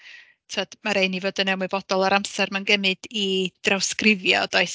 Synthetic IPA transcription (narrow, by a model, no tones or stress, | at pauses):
tʰɔd̥maɾeɨnivoːdənːɛwmʊbɔdɔlˠaɾamsɛrmanɡɛmɨd̥id̥rawskrɪvjɔ̰d̥ɔɨs